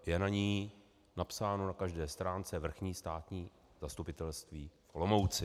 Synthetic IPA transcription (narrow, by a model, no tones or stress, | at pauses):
jɛnaɲiː | napsaːno̞nakaʒdɛːst̪ɾaːnt͡sɛvr̩xɲiːst̪aːt̪ɲiː | zast̪upɪt̪ɛlst̪viːflomowt͡sɪ